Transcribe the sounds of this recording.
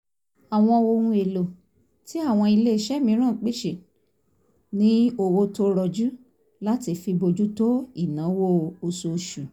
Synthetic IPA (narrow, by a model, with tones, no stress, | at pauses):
a˨w̃ɔ̃˧wo˧wũ˧e˨lo˨ | ti˨˦a˦˨w̃ɔ̃˧i˧le˦i˧ʃɛ˦mĩ˧˦ɾ̃ã˦˨k͡pi˦ʃe˨ | nĩ˨˦o˧˨wo˧to˦ɾɔ˧˨d͡ʒu˦ | la˦ti˧fi˧bo˧d͡ʒu˦to˦i˦˨nãː˨˦wo˦˨o˧so˧ʃu˨